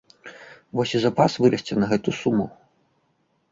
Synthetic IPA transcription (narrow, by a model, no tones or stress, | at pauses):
vɔsʲizɐpasvɨɾɐsʲt͡sʲɛnɐɣɛt̪usumu